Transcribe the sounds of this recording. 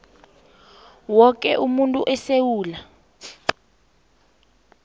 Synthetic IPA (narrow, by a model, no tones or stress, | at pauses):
wɔk̬ʼɛʔumuntʼuʔɛsewuːla